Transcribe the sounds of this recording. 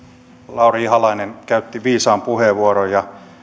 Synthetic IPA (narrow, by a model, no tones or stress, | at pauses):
lɑurɑihɑlɑineŋkæyt̪ːiʋiːsɑːmpuheʋuoɾojjɑ